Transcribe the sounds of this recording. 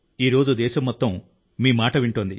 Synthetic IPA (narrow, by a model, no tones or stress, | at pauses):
iːɾo̞ːd͡ʒud̪ɛːʃɐmːɔt̪ːɐmː | iːmaːʈɐʋiɳʈoːnd̪i